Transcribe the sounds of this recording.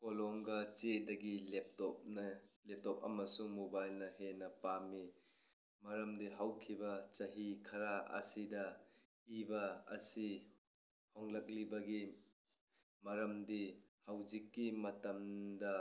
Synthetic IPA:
kolɔŋɡɐt͡ʃedɐɡilep̚tɔp̚nlep̚tɔp̚ɐ̰mɐsuŋmobajlnɐɦenɐpami | mɐɾɐmdiɦawkʰibɐt͡ʃɐɦikʰɐɾaɐ̰sidɐ | ibɐɐ̰si | hɔŋlɐk̚libɐɡi | mɐɾɐmdihawzikːimɐtɐmdɐ

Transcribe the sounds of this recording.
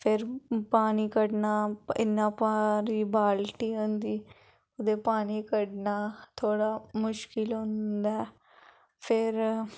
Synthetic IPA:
pʰɪɾpaːniːkəɖnaːɪ̰nːãːpaːɾiːbaːlʈiːɦʊ̃nd̪iː | ʊd̪eːpaːniːkəɖnaːt̪ʰoːɽaːmʊʃkɪlɦʊ̃nd̪aɛ | pʰɪɾ

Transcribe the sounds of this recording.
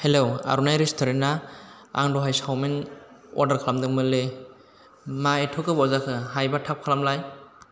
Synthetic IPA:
helowa̰ɾunajɾestʰoɾennaa̰ŋdɔɦajsawminɔ̰ɾdaɾkʰalamdɯŋmɯle | maetʰɔkɯbawzakʰɯɦajbatʰap̚kʰalamlaj

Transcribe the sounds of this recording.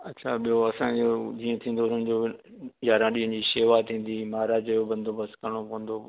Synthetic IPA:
ɐtːɕʰaɓijoɐsãd͡ʑoːd͡ʑiːẽt̪ʰĩːn̆d̪oʊn̤ənɪ̆d͡ʑoː | jaːɾãɗiːɦə̃nd͡ʑiːʃeːʋat̪ʰĩːn̆d̪imaːɾaːd͡ʑjobɐ̃nd̪ʱobɐskɐɾɽ̃opɔ̃ɦə̃nd̪o

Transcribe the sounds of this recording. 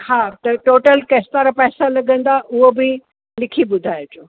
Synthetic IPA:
haːt̪ɐʈoːʈəlkɐst̪aːɾapɛːsalɐɡə̃nd̪aʔʊɦobɪ | lɪkʰibʊd̪ʱaːjot͡ɕoː

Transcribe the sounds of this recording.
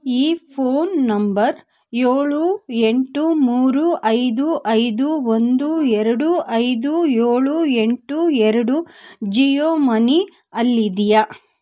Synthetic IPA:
iːpʰoːnːɐmbɐɾ | jeːɭueɳʈumuːɾuʔɐjd̪uʔɐjd̪uond̪uɛɾɐɽuʔɐjd̪ujeːɭueɳʈuɛɾɐɽud͡ʒijoːmɐni | ɐlːid̪ijɐ

